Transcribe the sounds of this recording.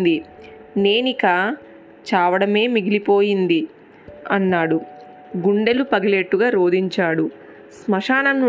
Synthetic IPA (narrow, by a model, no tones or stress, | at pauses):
d̪i | ne̞ːnikaː | t͡ʃaːʋɐɽɐme̞ːmiɡilipo̞ːjind̪i | ɐnːaːɽu | ɡuɳɖe̞lupɐɡɐleʈːuɡaːɾoːd̪iɲt͡ʃaːɽu | smɐʂaːnɐnːu